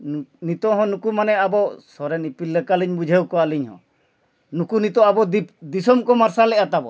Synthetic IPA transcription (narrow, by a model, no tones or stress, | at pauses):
nnit̪ɔɦɔ̃nukumanɛabɔsɔɾɛnipilːɛkaliɲbud͡ʒʱewkɔaliɲɦɔ̰̃ | nukunit̪ɔabɔd̪id̪isɔmkɔmaɾsalɛat̪abɔ̰